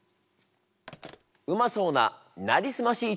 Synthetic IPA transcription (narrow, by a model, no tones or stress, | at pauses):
ɯ̟maso̞ːna | naɾʲisɨmaɕiː